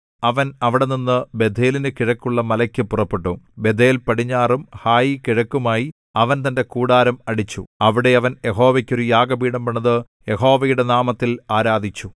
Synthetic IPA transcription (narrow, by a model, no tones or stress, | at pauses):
ɐʋɐnɐʋiɽe̞ninːɨbe̞d̪ʱe̞ːlinɨkiɻɐkːuɭːɐmɐlɐkʲːɨpurɐpːeʈːumbe̞d̪ʱeːlpɐɽiɲːaːrumhaːjikiɻɐkːumaːji | ɐʋɐnt̪ɐnde̞kuːɽaːɾɐmɐɽit͡ɕːuɐʋiɽe̞ɐʋɐnjeɦo̞ːʋɐkʲːo̞ɾujaːɡɐbiːɽɐmpɐɳːɐðɨ | je̞ɦo̞ːʋɐjuɽe̞naːmɐt̪ːilaːɾaːd̪ʱit͡ɕːu